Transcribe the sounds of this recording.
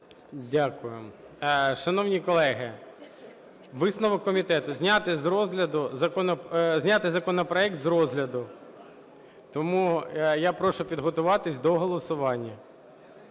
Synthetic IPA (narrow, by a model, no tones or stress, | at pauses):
dʲakʊjʊ | ʃɐn̪ɔwnʲikɔlˠɛɦɪ | ʋɪsnɔʋɔkːɔmʲit̪ɛt̪ʊzʲnʲat̪ɪzɾɔzɦlʲɐd̪ʊzɐkɔnɔzʲnʲat̪ɪzɐkɔnɔpɾɔɛk̚t̪zɾɔzɦlʲɐd̪ʊ | t̪ɔmujapɾɔʃʊpʲid̪ɦɔt̪ʊʋɑt̪ɪsʲd̪ɔɦɔlˠɔsʊʋɑnʲːɐ